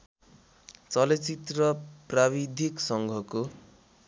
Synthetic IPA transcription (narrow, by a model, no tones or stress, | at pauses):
t͡sʌlet͡sit̪rʌpraβid̪ʱiksʌŋɡʱʌko